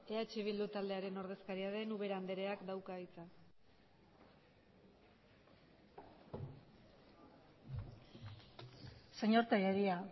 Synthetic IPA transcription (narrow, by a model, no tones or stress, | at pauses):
e̞at͡ʃiβ̞ild̪ut̪ald̪e̞aɾe̞no̞ɾð̞e̞skaɾiaðe̞nuβe̞ɾand̪e̞ɾe̞akd̪awkaɣit͡sa | seɲoɾt̪ajaɾia